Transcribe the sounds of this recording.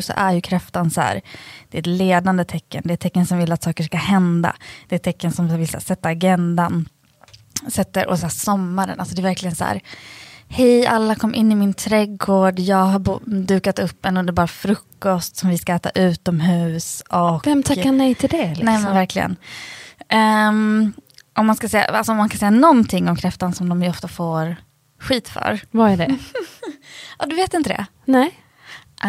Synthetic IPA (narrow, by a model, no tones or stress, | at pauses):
sɔ̰ʔæɾjɵkʰɾaft̪anshæ̰ːɾd̪̥ɛɛt̪leːd̪and̪ət̪ʰɛkːə̰nd̪ɛt̪ʰɛkːənsɔmvɪlːat̪sɑːkəʂkahɛnd̪a̰d̪̥ɛɛt̪ʰːɛkːənsɔmvɪlsa̰ːsɛt̪ːaːɡɛnd̪an | sɛt̪ːəɾʔɔ̰sæsɔmːaɾə̰nalsɔd̪ɛvæɾklɪɡənsæ̰ːɾ | hɛjʔalːakʰɔmːʔɪnːɪmɪnt̪ʰɾɛɡoːɖjɑːɡɦabd̪ʉ̟ːkat̪ɵpːɛnɵnd̪əɾbɑːɾafɾɵkːɔst̪sɔmvɪskaɛːt̪a̰ʔʉ̟ːt̪ɔmɦʉ̟ːsɔvɛmt̪ʰakːanːɛjt̪ʰɪld̪ɛlnɛmɛnvæɾklɪɡə̰n | ʔɔmːanskasɛja̰a̰lsɔɔmːankʰansɛjːanɔnt̪ʰɪŋːɔmkʰɾɛft̪ansɔmd̪ɔmjɵɔft̪afoːɾ | ɧiːt̪fœ̰ːɾvaæɖɛ | ɑd̪ɵveːt̪ɪnt̪əd̪ɛ̰ | nɛ